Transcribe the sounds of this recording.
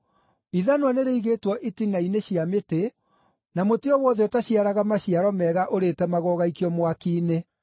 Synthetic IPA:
iðanowaneɾeiɣeːtwɔʔitinaineɕiamete | namotiɔwɔðɛɔtaɕiaɾaɣamaɕiaɾɔmɛɣaʔoɾetɛmaɣɔɣaikiɔmwakiːne

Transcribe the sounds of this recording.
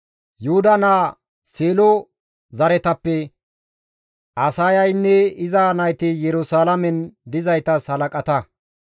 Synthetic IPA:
jʊhʊd̪ɐnaː | seːlɔ | zɐɾɛt̪ɐpːɛ | ɐsaːjɐjnːɛɪzaːnɐjt̪ɪjɛɾʊsaːlɐmɛnd̪ɪzɐjt̪ɐsɐlɐkʼɐt̪ɐ

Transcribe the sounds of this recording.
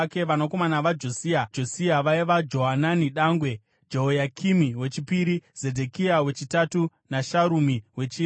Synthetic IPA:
ke̞ʋanoko̞manaʋad͡ʒo̞siːad͡ʒo̞siaʋaiʋad͡ʒo̞ɦananiɗaŋɡwe̞ | d͡ʒeɦojakʰimiwe̞t͡ʃipiɾiz̥e̞dʱe̞kiawe̞t͡ʃitatu | naʃaɾumiwe̞t͡ʃi

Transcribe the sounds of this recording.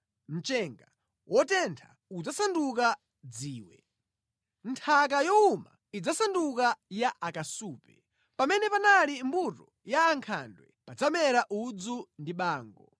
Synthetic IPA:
m̩t͡ʃɛŋɡa | wʔɔtɛntʰa̰ | ud͡zasanduk̬a | d͡ziːwɛ̰ | ntʰak̬ajɔuma̰ | id͡zasandukajaʔakasuːpɛ | pamɛnɛpanalimbutɔ | jaːŋkʰa̰ndwɛ̰pad͡zamɛɾaʔud͡zundiɓaːŋɡɔ

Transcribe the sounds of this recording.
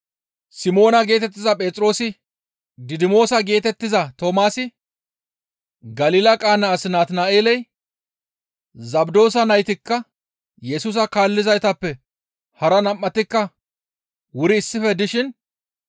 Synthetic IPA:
sɪmo̞ːnɐɡe̞ːt̪ɛt̪ːɪzɐpʼeːt̪ʼɾo̞ːsɪ | d̪ɪd̪ɪmo̞ːsɐɡe̞ːt̪ɛt̪ːɪzɐt̪oːmaːsɪ | ɡɐliːlɐkʼaːnɐːsɪnaːt̪naːʔeːlɛj | zɐbd̪o̞ːsɐnɐjt̪ɪkːɐ | jɛsuːs̬ɐkaːlːɪzɐjt̪ɐpːɛ | hɐɾɐnɐmːɐt̪ɪkːɐ | wʊɾɪːsːɪfɛd̪ɪʃɪn

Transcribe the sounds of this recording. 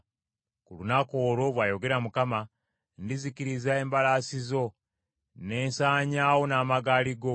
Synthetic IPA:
kulunakoːɾo̞βwaːjo̞ɡe̞ɾamukama | ndizikiɾizae̞ːmbalaːsizo̞ | ne̞ːnsaːɲaːwo̞naːmaɡaːliɡo̞

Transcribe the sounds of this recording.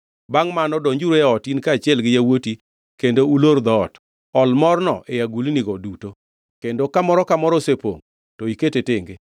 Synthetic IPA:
baŋmanɔdɔɲd͡ʒuɾoɔtinkaːt͡ʃɪɛlɡɪjawoti | kendouloɾd̪ɔːt | ɔlmɔrnɔ̰ʔejaɡuliniɡɔduto | kendokamɔɾɔkamɔɾɔsepo̰ŋ | toiketetɪŋɡe

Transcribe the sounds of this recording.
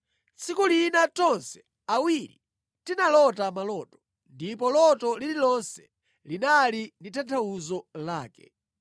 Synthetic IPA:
t͡sikulinatɔnsɛ̥ | awiɾi | tinalɔtamalɔːtɔ̥ | ndipɔlɔtɔlililɔnsɛ̥ | linalinditʰantʰauzɔlaːkɛ̰

